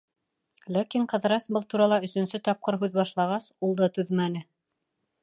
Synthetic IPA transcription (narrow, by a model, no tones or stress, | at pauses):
lækiɴqɤ̆ðɾɑsbɤlˠt̪uɾɑlˠɑɵ̆sɵ̆nsɵt̪ɑp̚qɤɾɦʉðbɑʃlˠɑʁɑsulˠd̪ɑt̪ʉðmænɘ